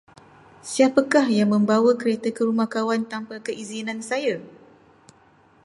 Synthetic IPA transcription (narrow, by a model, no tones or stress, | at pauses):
siapakahjaŋmə̃mbawakəɾet̪əkəɾumahkawant̪ampakəʔizinãnsaja